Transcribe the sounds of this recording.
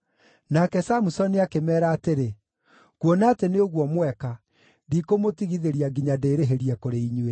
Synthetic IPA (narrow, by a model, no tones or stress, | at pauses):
nakɛsamusɔniakemɛːɾaːteɾe | kwɔnaːteneoɣwɔmwɛka | dikomotiɣiðeɾiaɡiɲadeːɾeɦeɾijɛkoɾeiɲuwe